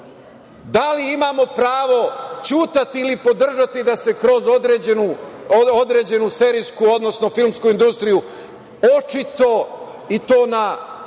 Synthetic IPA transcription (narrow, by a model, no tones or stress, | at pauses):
d̪aliimaːmo̞pɾaːʋo̞t͡ɕuːt̪at̪iːlipo̞d̪r̩ʒat̪id̪ase̞kɾo̞zod̪ɾeenuod̪ɾe̞ːd͡ʑe̞nuse̞ːɾijskuo̞d̪nosno̞filˠmskuind̪ust̪ɾiju | o̞t͡ʃit̪o̞ | it̪o̞ːna